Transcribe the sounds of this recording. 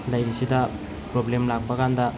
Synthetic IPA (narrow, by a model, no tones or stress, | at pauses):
lɐjɾisidɐ | pɾoblemlak̚pɐkandɐ